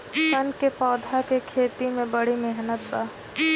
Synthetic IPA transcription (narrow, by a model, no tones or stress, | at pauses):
sɐnkepɔːd̪ʱakekʰeːt̪imẽbɐɽimeɦnət̪baː